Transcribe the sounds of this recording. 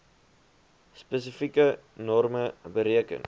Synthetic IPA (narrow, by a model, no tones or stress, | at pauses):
spəs̬əfikə | nɔrməbəɾiəkə̰n